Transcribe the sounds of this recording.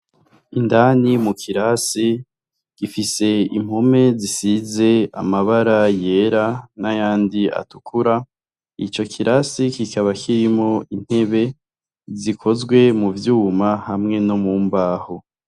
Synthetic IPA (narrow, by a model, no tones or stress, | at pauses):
indanimukʰiɾasi | ɡ̥ifise̞ḭm̥ho̞me̞zisize̞a̰maβaɾaje̞ɾanajaːndia̰tukʰuɾa | ḭt͡ʃo̞kʰiɾasikikaβakʰiɾimo̞in̥he̞βe̞ | zikʰo̞zɡwe̞muvjuːmahamŋe̞no̞muːmbaːho